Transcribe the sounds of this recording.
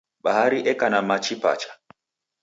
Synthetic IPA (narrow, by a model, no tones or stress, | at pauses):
ɓahaɾiʔɛkanamat͡ʃipa̰t͡ʃḁ